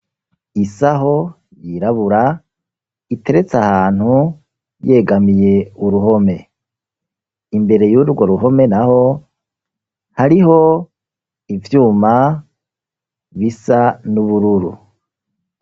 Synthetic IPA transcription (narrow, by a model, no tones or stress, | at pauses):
isaɦo̞ | jiɾaβuɾa | ite̞ɾe̞t͡sahaːn̥hu | je̞ɡamije̞uɾuho̞me̞ | imbe̞ɾe̞juɾɡo̞ɾuɦo̞me̞naho̞ | haɾiɦo̞ | ivjuːma | βisanuβuɾuɾṵ